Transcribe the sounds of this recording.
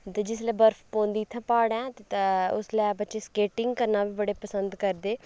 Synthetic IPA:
t̪ed͡ʒɪslɛːbəɾfʰpõːnd̪iːt̪ʰːãːpaːɽɛ̃ːt̪et̪ːʊ̰slɛːbətːʃeːskeːʈɪŋɡkəɾnaːʋiːbəɽeːpəsənd̪kəɾd̪eː

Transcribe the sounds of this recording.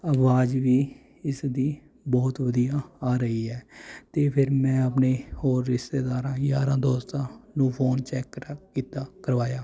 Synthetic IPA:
əʋaːd͡ʒʋiː | ɪsd̪iː | bɔːt̪ʋəd̪ijaːaːɾəiːɛːt̪eːpʰɪɾmɛ̃ːəp̬neːhoːɾːɪst̪eːd̪aːɾãːjaːɾãːd̪oːst̪ãːnũːpʰoːnt͡ʃɛːkːkiːt̪aːkəɾʋaːjaː

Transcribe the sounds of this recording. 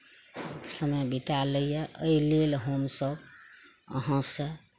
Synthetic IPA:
səməjbit̪aləjjəʔəilelɦomsəb | ə̰ɦãsə̃

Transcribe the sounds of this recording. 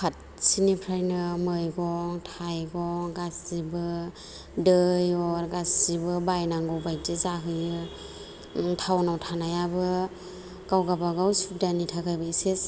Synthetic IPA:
kʰat̚ | sinipʰɾajnɯmɯjɡɔŋtʰajɡɔŋɡaszibɯ | dɯjɔɾɡasz̥ibɯbajnaŋɡɔwbajzezaɦɯjɯ | tʰawnawtʰanajabɯ | ɡ̥awɡabaɡawsup̚danitʰaɡajbɯeses

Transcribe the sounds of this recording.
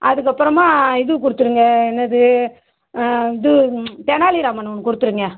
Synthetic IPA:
ʔɐðɯk̬ːɐpːɯɾɐmaːɪðɯkʊɽɯt̪ːɯɾɯŋɡɐɛnːɐðɯ | ɪðɯt̪ɛnaːliɾaːmɐnɔnːɯkːʊɽɯt̪ːɯɾɯŋɡɐ

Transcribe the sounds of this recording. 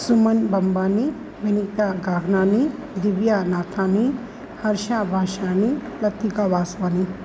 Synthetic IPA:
sumɐnbɐmbaːni | ʋinit̪aːɡaːɡnaːni | d̪iʋjaːnaːt̪ʰaːni | hɐɾʃaːbʱaːʃaːni | lɐt̪iɡaːʋaːsʋaːni

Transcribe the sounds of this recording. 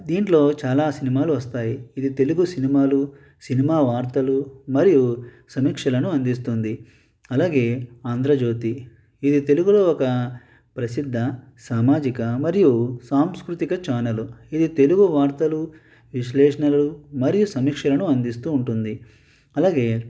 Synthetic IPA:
d̪iːɳʈlo̞ːt͡ʃaːlaːsinimaːluʋɐst̪aːjiːd̪it̪e̞luɡusinimaːlu | sinimaːʋaːɾt̪ɐlumɐɾiju | sɐmiːkʂɐlɐnuɐnd̪ist̪und̪i | ɐlaːɡe̞ːaːnd̪ɾɐd͡ʒo̞ːt̪i | id̪it̪e̞luɡuloːɔkɐ | pɾɐsid̪ʱːɐ | saːmaːd͡ʒikɐmɐɾijusaːmskɾut̪ikɐt͡ʃaːnɐluid̪it̪e̞luɡuʋaːɾt̪ɐlu | ʋiʃlɛːʂɐnɐlɐlumɐɾijusɐmiːkʂɐlɐnuɐnd̪ist̪uːɳʈund̪i | ɐlaːɡe̞ː

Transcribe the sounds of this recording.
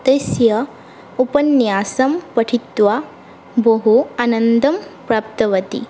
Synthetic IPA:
t̪esjɐ | upɐnjaːsɐmpɐʈʰit̪ʋa | bɐɦuanɐnd̪ɐmpɾaːp̚t̪ɐʋɐt̪ḭ

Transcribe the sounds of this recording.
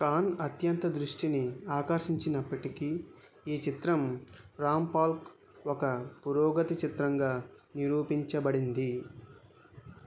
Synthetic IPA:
kaːnɐt̪jɐnt̪ɐd̪ɾuʂʈiniaːkɐɾʃiɲt͡ʃinɐpːɐʈiki | iːt͡ʃit̪ɾɐmɾaːmpaːlk | ɔkɐpuɾɔːɡɐt̪it͡ʃit̪ɾɐŋɡaː | niɾuːpiɲt͡ʃɐbɐɽind̪i

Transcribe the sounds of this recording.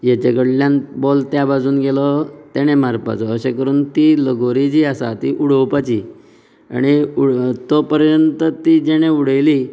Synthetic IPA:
jat͡ɕeɡəɽljãnbɔlt̪jabad͡zuːnɡelɔt̪eɽ̃emaɾpa̰t͡sɔːɕekəɾuːnt̪iləɡoɾid͡ʑiːasa̰t̪ḭʔuɽəwpat͡ɕi | a̰ɽ̃iuɽt̪opəɾjənt̪ət̪iːd͡ʑeɽ̃euɽ̤əjli

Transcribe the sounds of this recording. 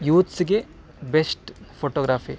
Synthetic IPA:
juːt̪siɡe | besʈpʰoːʈoːɡɾaːfḭ

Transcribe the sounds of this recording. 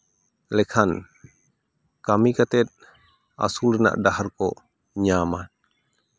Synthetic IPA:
lɛkʰan | kamikat̪ɛt̪̚ | a̰sulna̰ʔdaharkɔ | ɲaman

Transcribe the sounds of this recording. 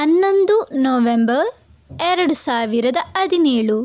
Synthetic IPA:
ɐnːond̪unoːʋembɐɾ | ɛɾɐɽusaːʋiɾɐd̪ɐʔɐd̪ineːɭu

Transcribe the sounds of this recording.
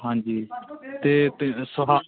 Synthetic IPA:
ɦãːɲd͡ʒiːt̪eːt̪səɦaː

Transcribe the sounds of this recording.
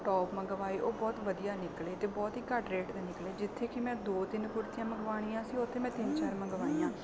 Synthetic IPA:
ʈɔːpmə̃ɡəʋaːeːʔoːbɔːt̪ʋəd̪ijaːnɪkleːt̪eːbɔːt̪ɦiːkəʈɾeːʈd̪eːnɪkleːd͡ʒɪt̪ʰːeːkɪmɛ̃ːd̪oːt̪ɪnkʊɾt̪ɪjãːməɡʋaːɽ̃iːãːsiːʊt̪ʰːeːmɛ̃ːt̪ɪnt͡ʃaːɾmə̃ɡəʋaːiːjãː

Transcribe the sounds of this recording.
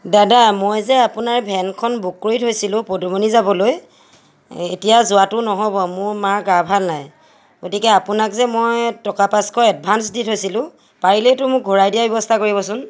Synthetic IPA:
dadamojzɛapʊnaɹbʱɛnkʰɔnbukːoitʰɦojsilʊ̃podɔmonizabɔloj | ḛtijazʊatʊnɔɦɔbɔmʊɹmaɹɡabʱalnaj | ɡotikɛapʊnakzɛmojtɔkapaskʰɔɛd̚bʱansditʰɦojsilʊ̃ | paɹiletʊmʊk̚ɡʱɔɹajdijabjɔbɔstʰakoɹibɔsʊn

